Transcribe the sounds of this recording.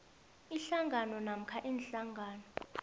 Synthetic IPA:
iɬaŋʱanɔnam̩kʰaʔiːnɬaŋɡʱaːnɔ

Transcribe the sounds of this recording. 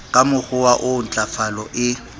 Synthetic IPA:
kʼamʊχʊwaʔʊn̩t͡ɬʼafalɔʔɪ

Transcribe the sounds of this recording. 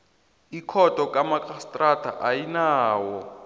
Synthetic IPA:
ikʰɔtʼɔkʼamakʼastʼratʼʰaʔajinaːwɔ

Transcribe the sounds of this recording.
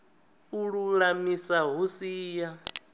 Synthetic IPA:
uɺulamisaɦusiːja

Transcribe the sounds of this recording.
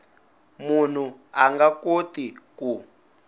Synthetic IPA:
mun̤uaŋɡakotiku

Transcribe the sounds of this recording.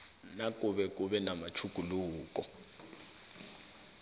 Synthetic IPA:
nak̬ʼuɓɛk̬ʼuɓɛnamat͡ʃʰukʼuluːk̬ʼɔ

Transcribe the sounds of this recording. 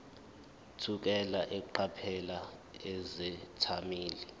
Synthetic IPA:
tʰuk̬ɛlaʔɛkuǃʰapʰɛlaɛzɛtʰamiːli

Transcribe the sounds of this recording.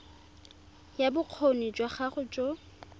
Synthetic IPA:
jabʊq͡χʰonit͡ʃʼwaχaχʊt͡ʃʼɔ

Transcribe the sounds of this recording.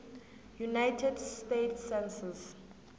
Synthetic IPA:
junajtʰɛdstetsɛ̃nsɛs

